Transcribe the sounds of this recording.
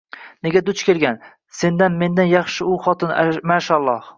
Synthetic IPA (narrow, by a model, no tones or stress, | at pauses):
neɡʲad̪ʊt͡ʃkʲʰelɡʲan | se̞nd̪anme̞nd̪anjɑχʃɪʊχɒt̪ʰɪnmaːʃalˠːɒh